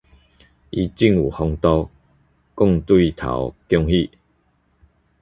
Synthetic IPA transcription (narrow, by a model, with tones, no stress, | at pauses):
ʔi˧t͡ɕi˥˧˨ŋṵ˨˩hɔ˧ŋt̪ɔ˧ | kʊ˥˧ŋt̪wi˥˨t̪ʰa̰˨˦wkjɔ˥˧ŋhi˥˧˨